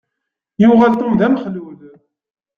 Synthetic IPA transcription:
juʁalt̪ˤəmðæmχluð

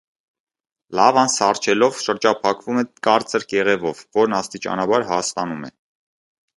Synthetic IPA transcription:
lɑvɑnsɑrt͡ʃʰɛlɔvʃəɾd͡ʒɑpʰɑkvumɛkɑɾt͡səɾkɛʁɛvɔvːɔɾnɑst̪it͡ʃɑ̰nɑbɑɾɦɑst̪ɑnumɛ̰

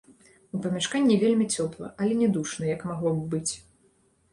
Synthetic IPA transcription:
upɐmʲaʂkanʲːivʲelʲmʲit͡sʲɔplˠɐ̰ʔɐlʲɛnʲɛd̪uʂnɐjɐkmaɣlˠɔbːɨt͡sʲ

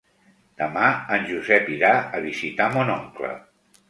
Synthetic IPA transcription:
d̪̥əmaənʲʒuzɛpiɾaəβizit̪amonɔŋklə̰

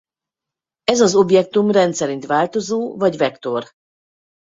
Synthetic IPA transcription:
ɛzɒzo̞bjɛk̚t̪umrɛnt̪sɛɾint̪ʋaːlt̪o̞zoːvɒɟvɛkt̪o̞r

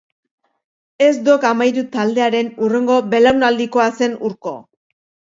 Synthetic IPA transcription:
e̞zd̪okamajɾut̪ald̪e̞aɾe̞nure̞ŋɡo̞be̞lawnald̪iko̞ase̞nuɾko̞̰

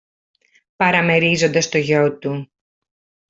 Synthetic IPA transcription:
pɐɾɐme̞ɾizo̞nd̪ɐst̪o̞ʝot̪u

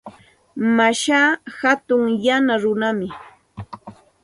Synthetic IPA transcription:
maʃaːhat̪ʊŋjanaɾʊnamɪ

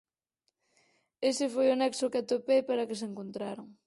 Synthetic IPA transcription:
esɪfojʊnɛksʊkɪat̪opejpaɾɐkɪs̬eŋkont̪ɾaɾoŋ

